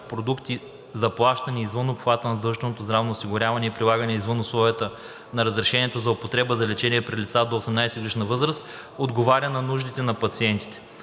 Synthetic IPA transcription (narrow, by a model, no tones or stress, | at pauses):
pɾod̪ukt̪i | zɐplˠaʃt̪əniːzvɤnopxvat̪ənɐzd̪ɤlˠʒʃt̪ɛnot̪ozd̪ɾavnosiɡʊɾʲavɐnɛipɾʲilˠaɡənɛizvɤnoslˠɔvʲiət̪ə | nɐɾəzɾɛʃɛniɛt̪ozɐopot̪ɾɛbəzɐlɛt͡ʃɛniɛpɾilit̪sad̪oːsɛmnajsɛɡliʃnɐvɤzɾəst̪ | od̪ɡovaɾʲənɐnuʒd̪it̪ɛnɐpɐt̪siɛnt̪i̥t̪ɛ̥